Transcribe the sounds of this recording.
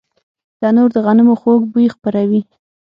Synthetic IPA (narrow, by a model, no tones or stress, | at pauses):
d̪̥ɑnoɾd̪əɣanɪmoxoɡ̚bujxpəɾawi